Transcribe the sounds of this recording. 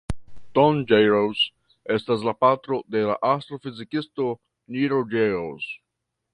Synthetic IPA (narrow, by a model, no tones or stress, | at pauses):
tond͡ʒeɾowz | estas̬lapatɾo̞dela̰ʔast̪ɾofizikisto | niɾod͡ʒeɾowz